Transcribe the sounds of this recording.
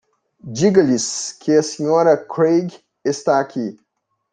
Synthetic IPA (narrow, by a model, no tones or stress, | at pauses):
d͡ʒiɡɐliskʰeɐsiɲoɾɐkʰɾeɡ | est̪akʲʰi